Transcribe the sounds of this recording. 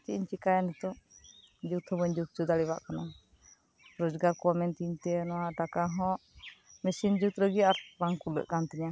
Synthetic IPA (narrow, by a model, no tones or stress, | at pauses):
t͡ʃiʔiɲt͡ʃikajanɛt̪ɔ | d͡ʒut̪hɔbɔɲd͡ʒut̪̚t͡ʃud̪aɽiba̰ʔkana | ɾɔd͡ʒɡaɾkɔamɛnt̪iɲt̪ɛnɔwaʔʈakaɦɔ̃ʔmɛsind͡ʒut̪ɾəɡiaɾɾaŋkulə̰ʔkant̪ɛɲa